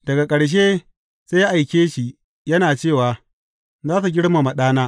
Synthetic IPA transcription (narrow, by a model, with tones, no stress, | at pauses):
d̥ɐ˨ɡa˨kʼɐ˨ɽʃ̬eː˦ | z̥eː˦ja˦ʔa˨jkʲeː˦ʃi˨ʔ | jɐ˦naː˨t͡ʃeː˦˨waː˨ | zaː˦su˨ɡʲɪ˦ɽma˨mɐ˨ɗaː˦naː˦